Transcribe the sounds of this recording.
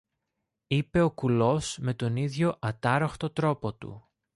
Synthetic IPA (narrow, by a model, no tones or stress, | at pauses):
ipe̞o̞kulo̞sme̞t̪o̞niðʝo̞ʔɐt̪ɐɾoxt̪o̞t̪ɾo̞po̞t̪ṵ